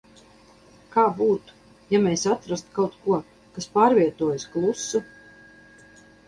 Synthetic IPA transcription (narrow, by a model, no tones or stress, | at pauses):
kaːbuːt̪u̥ | jamɛjsat̪ɾast̪kawt̪kuɔ | kaspaːɾvʲiɛt̪uɔjsklˠusːu